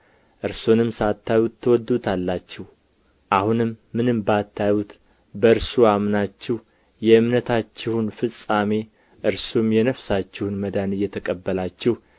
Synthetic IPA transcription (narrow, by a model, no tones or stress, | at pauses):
ʔɨɾsonɨmsat̪ʰːajwut̪ʰːəwɔd̪ut̪ʰalːat͡ʃːɪh | ʔahunɨmːɨnɨmbəat̪ʰːajwut̪ | bəɨɾsuamnat͡ʃːɪh | jɛɨmnət̪ʰat͡ʃːɪhunfɨsʼame̞ | ʔɨɾsumjɛnəfsat͡ʃːɪhunməd̪anɨjːɛt̪ʰəkʼəbːəlat͡ʃːɛh